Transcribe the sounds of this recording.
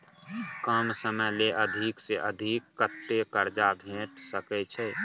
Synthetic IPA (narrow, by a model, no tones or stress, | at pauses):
kəmsəməjleʔəd̪ʱikseʔəd̪ʱikːət̪ːekəɾd͡ʒabʱẽːʈsəkɛt͡ʃʰɛ